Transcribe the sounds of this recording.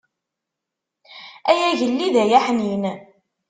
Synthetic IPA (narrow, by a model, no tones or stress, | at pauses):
æjæʝəlːiðæjæħnin